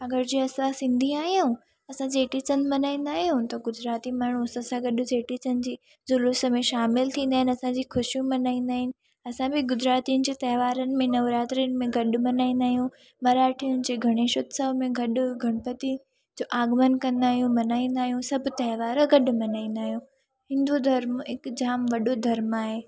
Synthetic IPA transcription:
ɐɡəɾd͡ʑiːɐsãsɪ̃nd̪ʱĩaːɦijũ | ɐsãd͡ʑeːʈit͡ɕə̃nmɐnaːĩːnd̪aːɦijũt̪ɐɡʊzɾaːt̪imaːɳ̤uɐsɐsãɡɐɗʊ̆d͡ʑeːʈit͡ɕɐnɪ̆d͡ʑiː | zʊlʊsəmẽʃaːmɪlt̪ʰĩːnd̪aːɦɪ̃nɪɐsãd͡ʑiːxʊʃijũmɐnaːĩːnd̪aːɦɪnɪ̆ | ɐsãbɪɡʊzɾaːt̪iʊnɪ̆d͡ʑeːt̪ɐɦʋaːɾənɪ̆mẽnɐʋɾaːt̪ɾiənɪ̆mẽɡɐɗʊ̆mɐnaːĩnd̪aːɦijũ | mɐɾaːʈʰijʊnɪ̆d͡ʑeːɡʱɐɽ̃eːʃʊt̪sɐʋmẽɡɐɗʊ̆ɡʱɐɽ̃pɐt̪i | d͡ʑoːʔaːɡmənkɐ̃nd̪aːɦijũmɐnaːĩn̆d̪aːɦijũsɐbʱʊt̪ɐɦɪʋaːɾɡɐɗʊmɐnaːĩːnd̪aːɦijũ | ɦɪ̃nd̪ud̪ʱɐɾmɦɪkd͡ʑaːmʋɐɗod̪ʱɐɾmaːɦeː

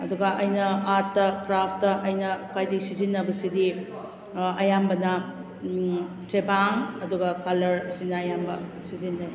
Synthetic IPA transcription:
ɐduɡɐʔɐjnɐatːɐkɾapʰtːɐʔɐjnɐkʰajdisizinːɐbɐsidi | ɐjambɐnɐ | tebaŋɐduɡɐkɐlɐɾɐsinɐːjambɐ̰sizinːɐj

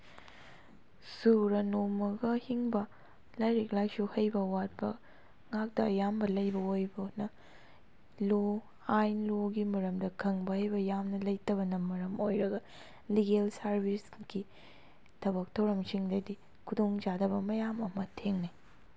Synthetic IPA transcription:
suɾɐnomɐɡɐhiŋbɐ | lɐjɾik̚lajsuhɐjbɐwat̚bɐ̰ | ŋak̚tɐːjambɐlɐjbɐojbɐnɐ | lo | ajnloɡimɐɾɐmdɐkʰɐŋbɐhɐjbɐjamnɐlɐjtɐβɐnɐmɐɾɐmojɾɐɡɐ | liɡelsɐɾbʱisɡi | tʰɐbɐk̚tʰɐwɾɐmsiŋdɐdi | kʰudoŋd͡ʒadɐbɐmɐjamɐmɐtʰeŋnaj

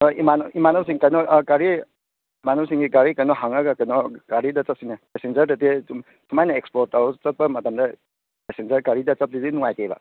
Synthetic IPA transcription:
imanɔimanɔws̬iŋkajnɔɡaɾi | imanɔwsiŋɡiɡaɾikajnɔɦaŋaɡakajnɔɡ̥aɾidɐt͡ʃap̚sinapesend͡ʒɐɾdɐt̬i | sʰumajnaekspɔtaut͡ʃɐt̚bɐmɐtamdɐ | pesend͡ʒɐɾɡaɾidɐt͡sɐp̚didinuŋajteba̰

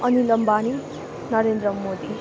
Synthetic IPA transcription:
ʌnilʌmbani | nʌɾend̪ɾʌmod̪i

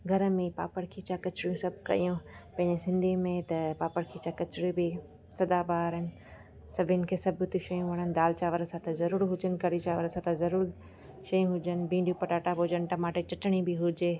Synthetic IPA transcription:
ɡʱɐɾmẽpa̰ːpəɽkʰit͡ɕakɐt͡ɕɾijũsɐbʱkɐ̰jũpɐ̃ɦɪ̃ɲd͡ʑesɪ̃nd̪ʱimẽt̪ɐpaːpəɽkʰit͡ɕãkɐt͡ɕɾibi | sɐd̪abaːɾɪnɪ̆ | sɐbʱɪnɪ̆kʰeːsɐbt̪iʃɐjũʋɐɽ̃ənɪ̆d̪aːlt͡ɕaːʋəɾsãt̪ɐzɐɾuːɾɦʊd͡ʑənɪ̆kɐɾit͡ɕaːʋəɾsãt̪ɐzɐɾuːɾ | ʃɐjũɦʊd͡ʒənɪ̆bĩːɳɖijũpɐʈaːʈabod͡ʑənɪ̆ʈɐmaːʈet͡ɕɐʈɽ̃ibiɦʊd͡ʑeː

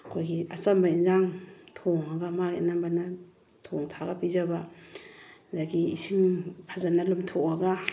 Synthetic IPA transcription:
kʰojɡiasɐmbainzaŋtʰɔŋaɡamakḛnambana | tʰɔŋtʰaɡapizaba | zaɡiisiŋpʰazanalumtʰɔkaɡa

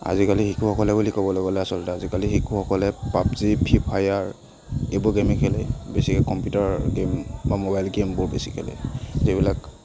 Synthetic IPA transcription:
a̰zikalixikʰuxɔkɔlɛbulikɔbɔlɔɡɔlɛjasɔltɛazikaliɦikʰuhɔkɔlɛpap̚zipʰipʰajaɹ | ebɔɡemikʰɛlɛ̰bɛsikɛkɔmpjutaɹɡembamobajlɡembʊɹbɛsi̥kʰɛlɛ̰zibilak

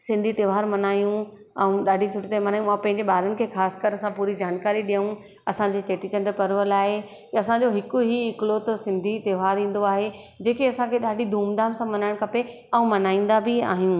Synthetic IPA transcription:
sɪ̃nd̪ʱit̪eːʋaːɾmɐnaːjũ | ɛ̃ũɗaːɖʱisʊʈit̪emɐnaːjũmãpɐ̃ɦɪ̃ɲd͡ʑeɓaːɾənɪ̆kʰeːxaːskəɾɐsãpuːɾid͡ʑaːnkaːɾiɗiɦə̃ũ | ɐsãɲd͡ʑeːt͡ɕeːʈit͡ɕɐ̃ɳɖəɾpɐɾʋəlaːɦe | ɐsãd͡ʑoɦɪkʊɦiɪkɪlot̪ɐsɪ̃nd̪ʱit̪eːʋaːɾĩːn̆d̪oaːɦe | d͡ʑeːkiɐsãkʰeɗaːɖʱid̪ʱuːmd̪aːmsãmɐnaːɪɽ̃kʰɐpe | ɐ̃ũmɐnaːĩːn̆d̪abɪa̰ːɦijũː

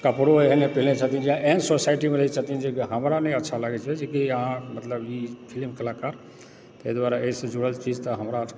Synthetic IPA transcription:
kəpɽoeɦnepilnet͡ʃʰət̪ind͡ʒeãensosajʈimeɾəɦit͡ʃʰət̪ind͡ʒekiɦəmɾanəjətːʃʰalaɡɛt͡ʃʰɛd͡ʒekiəɦãmət̪ləbikʰilmkəlakaɾ | t̪əjd̪waɾaeisə̃d͡ʒuɽəlt͡ʃid͡ʒt̪əɦəmɾa

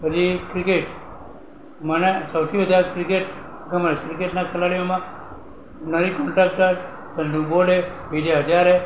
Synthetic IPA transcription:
bəd͡ʒikɾikeʈ | mənesəwt̪ʰiʋəd̪ʱakɾikeʈ | ɡəməlkɾikeʈnakʰəlaɽijomã | nəɾikɔ̃ɳʈɾak̚ʈə | d͡ʒ̪ənɖuboleʋideɦəd͡ʒaɾe

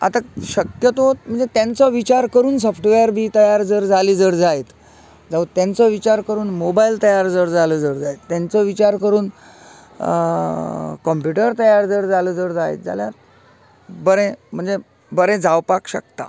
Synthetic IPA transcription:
a̰t̪aɕəkjət̪oot̪̚m̤əɳd͡zet̪jant͡sɔʋit͡ɕaɾkəɾuːns̬ɔfʰʈʋeɾbʱiːt̪əjaɾd͡zəɾd͡zʱaliːd͡zəɾd͡zaet̪ | d͡zaʋut̪ːjãnt͡sɔʋit͡ɕaɾkəɾuːnmobailt̪əjaɾd͡zəɾd͡zaləd͡zəɾd͡zaet̪ːãnt͡sɔʋit͡ɕaɾkəɾuːn | kɔmpjuʈəɾt̪əjaɾd͡zəːɾd͡zaləd͡zəɾd͡zaḛt̪̚d͡za̰ljaɾ | bəɾẽm̤əɳd͡ze | bəɾẽd͡zawpakɕə̰k̚t̪a̰

